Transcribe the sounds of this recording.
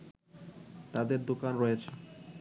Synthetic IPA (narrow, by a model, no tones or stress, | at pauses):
t̪ad̪eɾd̪okanɾɔjet͡ɕʰe